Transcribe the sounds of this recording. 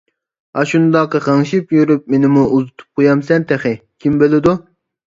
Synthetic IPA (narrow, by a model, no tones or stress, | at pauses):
ɑʃund̪ɑqəqʰɑŋʃipjyɾyp̚menɪmuuzɨt̪ʰu̥p̚qʰojɑmsɛnt̪ʰæχɪkʲʰimbølɪd̪u